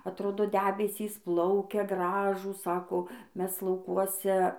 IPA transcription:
ɐtˈroːdoː ˈdʲæːbʲɛsʲiːs ˈplˠɐʊkʲɛ ˈɡrɑːʒuːs ˈsɑːkoː ˈmʲɛs lˠɐʊˈkuɔsʲɛ

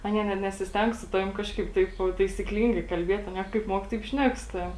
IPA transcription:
ˈɑːnʲiɛ nʲɛt nʲɛsʲɪsʲˈtʲɛŋk sʊ ˈtɑːʋʲɪm ˈkɑːʃkɐɪp ˈtɐɪp tɐɪsʲɪkˈlʲiːŋɡɐɪ kɐlʲˈbʲiɛtʲ ɐˈnʲiɛ kɐɪp ˈmuɔk tɐɪp ˈʃʲnʲɛk sʊ ˈtɑːʋʲɪm

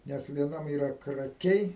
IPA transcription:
ˈnʲɛs ʋʲiɛˈnɐm iːˈrɐ krɐˈkʲɛɪ

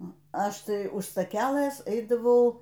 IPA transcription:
ˈnʊ ˈɐʃ ˈtɐɪ ʊʃ stɐˈkʲælˠɘs ˈɛɪdɐʋɐʊ

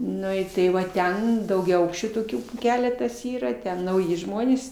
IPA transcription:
ˈnʊ ɪ ˈtɐɪ ʋɐ ˈtʲɛn dɐʊɡʲɛˈɐʊkʃʲt͡ʃʲuː toːˈkʲuː ˈkʲæːlʲɛtɐs ˈiːrɐ tʲɛn nɐʊˈjɪ ˈʒmoːnʲeːs

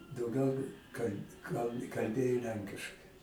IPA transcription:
dɐʊˈɡʲɛʊ kɐlʲ kɐlˠ kɐlʲˈbʲeːjoː ˈlʲɛŋʲkʲɪʃkɐɪ

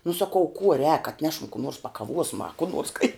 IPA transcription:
nʊ sɐˈkɐʊ kuɔ rʲɛːk ɐtʲˈnʲæːʃɐm kuː noːrs pɐkɐˈʋuɔsmɐ ɐ kuː noːrs kɐɪ

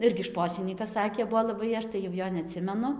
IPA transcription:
ˈɪrʲɡʲɪ ˈʃpoːsʲɪnʲiːkɐs ˈsɑːkʲeː ˈbʊʋoː lˠɐˈbɐɪ ˈɐʃ tɐɪ jɛʊ ˈjoː nʲɛˈɑːtʲsʲɪmʲɛnʊ

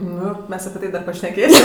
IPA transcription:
ˈnʊ ˈmʲɛs ɐpʲɪ ˈtɐɪ ˈdɐr pɐʃʲnʲɛˈkʲeːsʲɪm

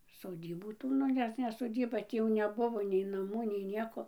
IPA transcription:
soːˈdʲiːbuː ˈtuː ˈnʊ ˈnʲɛs nʲɛ soːˈdʲiːbɐ ˈtʲiː jɛʊ nʲɛˈbʊʋoː nʲɛɪ nɐˈmuː nʲɛɪ ˈnʲiɛkoː

